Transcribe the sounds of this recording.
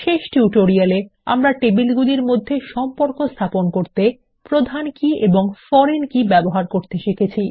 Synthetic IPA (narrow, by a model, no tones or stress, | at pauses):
ʃeʃʈuʈoɾialea̰mɾaʈebilɡud̪iɾmod̪ʱːeʃɔmpoɾkost̪ʰaponkoɾt̪e | pɾod̪ʱankieboŋfɔɾenkibɛboɦaɾkoɾt̪eʃekʰet͡ɕʰi